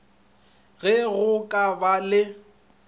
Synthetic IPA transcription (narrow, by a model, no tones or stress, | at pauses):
ɣɛɣʊkʼabalɪ